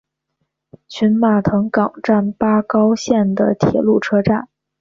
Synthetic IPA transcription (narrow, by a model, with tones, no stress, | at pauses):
t͡ɕʰy˧˥nma˨˩t̪ʰɤ˧˥ŋkɑ˨˩ŋʈ͡ʂa˥˩npa˥kɑ˥ʊɕjɛ˥˩nd̪ə˩t̪ʰjɛ̰˨˩lu˥˩ʈ͡ʂʰɤ˥ʈ͡ʂa˥˩n